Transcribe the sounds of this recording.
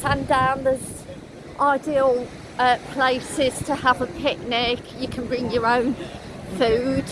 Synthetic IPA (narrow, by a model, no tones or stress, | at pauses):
sãndãʊ̃nðəz | ʔaɪdiəlˠ | əpʰl̥eɪsɪz̥tʰəəvəpʰɪk̚nɪkjəkʰə̃nbɹɪ̃ŋjəɹə̃ʊ̃n | fʉːd̥